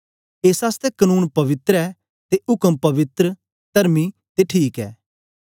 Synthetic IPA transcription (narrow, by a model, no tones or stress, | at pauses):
eːsast̪ɛkɐnuːnpɐʋɪt̪ɾɛː | t̪eʔʊkəmpɐʋɪt̪ɾə | t̪ɐɾmit̪eʈʰiːkɛ̰ː